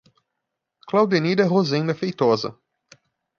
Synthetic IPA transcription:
klawd̪enid̪ɛɦozẽj̃nd̪ɐfejt̪ɔzɐ̰

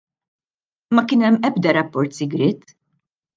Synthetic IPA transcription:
mɐkɪːnɛmːɛb̚d̪ɐɾɐpːɔɾt̪sɪɡɾɪːt̪

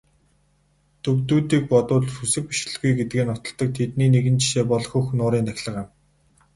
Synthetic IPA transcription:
t̪ʰɵkt̪uːt̪iːk̚pɔt̪ʊːɮxusɘ̆k̚pi̥ʃ̆ɮɘ̆ɮɡujɡet̪̚ɡeːnɔt̪ɞ̆ɮt̪ɞ̆k̚t̪ʰet̪niːneɣɘ̆nt͡ɕi̥ʃeːpɔɮ̆xɵxnʊːɾiːnt̪ʰaxʲɮə̆ʁăm

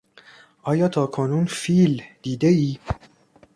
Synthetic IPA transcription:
ʔɒːjɒːt̪ʰɒːkʰonuːnfiːld̪̥iːd̪eiː

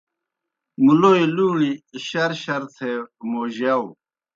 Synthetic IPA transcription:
muloːiluːɳiːɕɐɾɕɐɾt̪ʰemoːʑaw

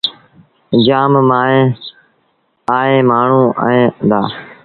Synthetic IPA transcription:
d͡ʒaːmmaːẽː | aːẽːmaːɳ̤ũːa̰ẽːd̪aː

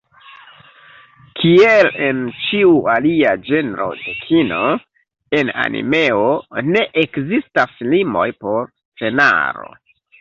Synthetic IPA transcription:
kʰielent͡ʃiualiad͡ʒe̞nɾo̞̰dekʰino̞ | e̞na̰nʔḭme̞one̞ʔekzistaslimo̞̰jpo̞ɾ | fe̞na̰ɾo̞̰

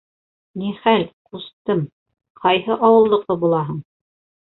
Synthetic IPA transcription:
niχælqust̪ɤm | qʰɑjhɤʔɑwɤ̆lˠːɤ̆qðɤbulˠɑɦɤɴ

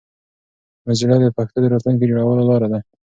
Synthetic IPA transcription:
mazilɑd̪d̪əpaxt̪od̪əɾɑt̪luŋk̬ed͡ʒoɽawəlolɑɾad̪a

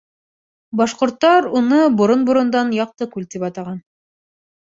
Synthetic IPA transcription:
bɑʃqŏɾt̪ːɑɾunɤbŏɾonbŏɾŏnd̪ɑnjɑq̚t̪ɤkʉlt̪ipɑt̪ɑʁɑn

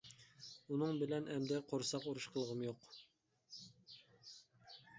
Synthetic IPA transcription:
unɨŋbɪlɛnɛmd̪ɛqʰoɾsɑquɾuʃqʰəlˠəʁəmjoq

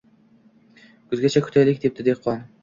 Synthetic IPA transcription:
kʰʊzɡʲat͡ʃʰakʰʊ̥t̪ʰajlɪkʲd̪e̞p̚d̪ɪd̪e̞qʰːɒn

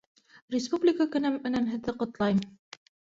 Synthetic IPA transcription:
rʲɪspublʲɪkəkɵ̆næmɵ̆næmɦɘ̆ðːɘqŏt̪lˠɑjm

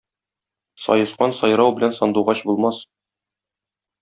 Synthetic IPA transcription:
sɒ̰jɤ̆sqɑnsɒjɾɑwbɘ̆lænsɒnd̪uʁɑɕbulˠmɑs

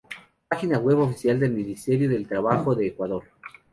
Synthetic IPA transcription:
paxinaɣwe̞βofisjald̪elmĩnist̪eɾjoðe̞lt̪ɾaβaxo̞ðeːkwaðoɾ

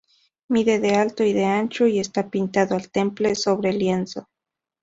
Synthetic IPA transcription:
miðeðealt̪oiðeant͡ʃoiest̪apint̪aðoalt̪emplesoβɾeljenso

